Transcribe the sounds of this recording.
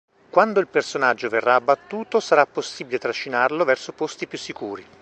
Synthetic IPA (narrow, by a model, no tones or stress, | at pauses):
kwand̪oilpersonad͡ʒːoverːaːbːat̪ːuːt̪osaɾapːosːibilet̪ɾaʃːinarlovɛrsopost̪ipjusːikuːɾi